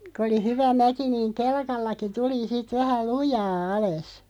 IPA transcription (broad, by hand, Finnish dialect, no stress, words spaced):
kŏ oli hyʋæ mæki niːŋ kelkɑlːɑki tuli sit ʋæhæ lujɑː ɑles